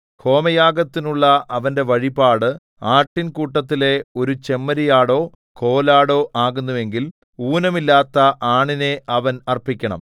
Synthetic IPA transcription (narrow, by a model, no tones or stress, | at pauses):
kʰo̞ːmɐjaːɡɐt̪ːinuɭːɐʔɐʋɐnde̞ʋɐɻibaːɽɨ | aːʈːinkuːʈːɐt̪ːile̞o̞ɾut͡ɕe̞mːɐɾijaːɽo̞ː | kʰo̞ːlaːɽo̞ːʔaːɣunːuʋe̞ŋɡil | uːnɐmilːaːt̪ːɐʔaːɳine̞ʔɐʋɐnɐrpikʲːɐɳɐ̰m